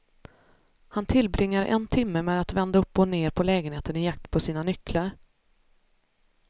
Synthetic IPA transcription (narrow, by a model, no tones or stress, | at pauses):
hant̪ʰɪlbɾɪŋːaɾʔɛ̰nt̪ʰɪmːəmeːd̪at̪vɛnd̪aɵpːɔneːɾpʰɔlɛːɡənheːt̪ənɪjak̚t̪pʰɔsiːnanʏkːlaɾ